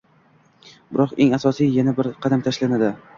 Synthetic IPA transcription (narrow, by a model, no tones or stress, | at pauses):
bɪɾɒqeŋasɒsijjanabɪɾqʰɑd̪amt̪ʰaʃlanad̪ɪ